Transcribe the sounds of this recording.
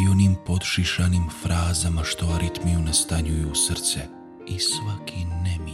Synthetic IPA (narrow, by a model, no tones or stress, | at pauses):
io̞nimpo̞d̪ʃiʃanimfɾʔaːzamaʃt̪o̞aɾit̪mijunast̪aɲujusr̩t̪se | isʋakʰinɛmi